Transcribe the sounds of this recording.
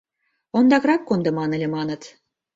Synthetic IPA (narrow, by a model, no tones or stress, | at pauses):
ond̪ɑkrɑkːond̪ɤ̆mɑnĕlʲĕmɑnət̪